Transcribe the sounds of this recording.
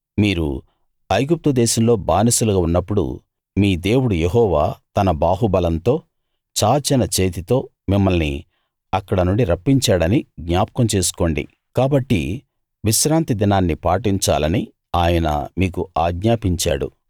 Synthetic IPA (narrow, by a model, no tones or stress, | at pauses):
miːɾṵ | ɐjɡup̚t̪ud̪ɛːʃɐmlo̞ːbaːnɐsulɐɡaunːɐpːuɽṵ | miːd̪e̞ːwuɽujeɦɔːʋa̰ːt̪ɐnɐbaːɦubɐlɐnt̪o̞ː | t͡ʃaːt͡ʃinɐt͡ʃeːt̪it̪o̞ː | mimːɐlnḭ | ɐkːɐɽɐnuɳɖiɾɐpːiɲt͡ʃaːɽɐniɡɲaːpɐkɐmt͡ʃe̞ːsu̥ko̞ːɳɖḭ | kaːbɐʈːḭ | ʋiʃɾaːnt̪id̪inaːnːipaːʈiɲt͡ʃa̰ːlɐni | aːjɐnɐ̰miːkuaːɡɲaːpiɲt͡ʃa̰ːɽṵ